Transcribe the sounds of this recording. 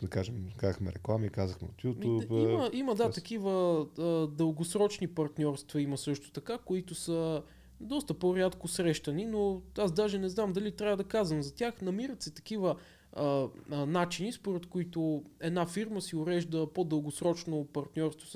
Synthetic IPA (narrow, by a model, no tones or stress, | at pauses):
d̪ɐkaʒɛmkazəxmɛ̰ɾɛklˠamikazəxmɛ̰ot̪jut̪upiməiməd̪at̪ɐkivə | d̪əlˠɡosɾɔt͡ʃnipɐɾt̪nʲɔɾst̪vɐimɐsɤʃt̪ʊ̥t̪ɐkakoit̪ʊsə | d̪ɔst̪əpoɾʲat̪kʊsɾɛʃt̪əninoazd̪aʒɛnɛznamd̪ɐlit̪ɾʲavɐd̪ɐkazvəmzɐt̪ʲaxnɐmiɾət̪sɛt̪ɐkivə | nat͡ʃinispoɾɛt̪koʊit̪oɛd̪nafiɾməsiʊɾɛʒd̪əpod̪əlˠɡʊsɾɔt͡ʃnopɐɾt̪nʲɔɾst̪vo